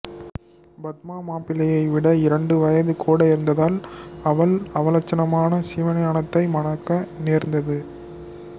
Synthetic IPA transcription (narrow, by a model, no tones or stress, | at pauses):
bɐd̪maːmaːpɪlɐjɐɪʋɪɽɐɪɾɐɳɖɯʋɐjɐðɯkʰoːɽɐɪɾɯnd̪ɐðaːlɐʋɐlɐʋɐlɐt͡ʃːɐnɐmaːnɐsiːʋɐnɐjaːnɐt̪ːɐɪmɐnɐkːɐneːɾnd̪ɐðɯ